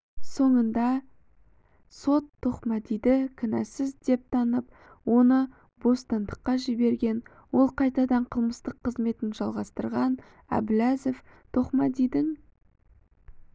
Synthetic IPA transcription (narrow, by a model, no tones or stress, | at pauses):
so̞ɴənd̪ɑ | so̞t̪ʰːo̞χmɑd̪ejd̪ɪkʲʰɪnæsɪzd̪e̞p̚t̪ʰɑnəp̚ | wo̞nə | bo̞st̪ɑnd̪əqːɑʒɪbe̞ɾɡʲe̞n | wo̞lˠqʰɑjt̪ɑd̪ɑɴqʰəlˠməst̪əqʰːəzme̞t̪ɪnʒɑlˠʁɑst̪əɾʁɑn | æ̰bɪlæzeft̪ʰo̞χmɑd̪ejd̪ɪŋ